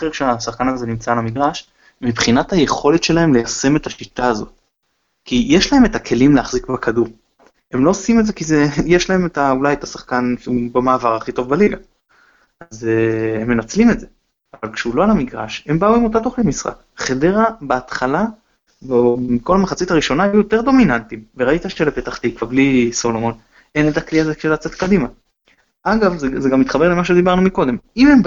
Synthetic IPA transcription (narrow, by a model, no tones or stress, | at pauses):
χeʁkʃeasaχkanazenimt͡saːlamiɡʁaʃ | mibχinathaje̞χo̞letʃe̞lahe̞mlejase̞me̞taʃit̪aːzo̞̰t̚ | kijeʃlahe̞me̞takʰe̞limleaχzikbekʰaduʁ | e̞mlo̞ːsimetze̞kizejeʃlae̞me̞taulajetasaχkanʃeubamaːvaʁaχito̞vbaliɡa | ʔazhemːe̞nat͡slimetze | avalkʃeulo̞alamiɡʁa̰ʃe̞mbauimo̞t̬atoχlimisʁa̰k | χedeʁabaːt̪χala | bemiko̞lamaχat͡sitaʁiʃo̞naajujo̞te̞ʁd̪o̞minantimveʁait̪aʃelepetaχt̪ikvaʁbliso̞lo̞mo̞n | e̞netakliazekʃelat͡se̞t̪kadima | aɡavzzeɡamːit̪χabe̞ʁlemaʃ̬e̞d̪ibaʁnumiko̞d̪e̞mime̞m